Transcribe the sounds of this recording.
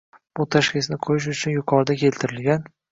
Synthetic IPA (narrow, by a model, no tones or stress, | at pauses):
b̥ʊt̪ʰaʃkʲɪsnɪqʰojɪʃ̬ʊt͡ʃʰʊnjʊqʰɒɾd̪akʲʰe̞lt̪ʰɪɾɪlɡʲan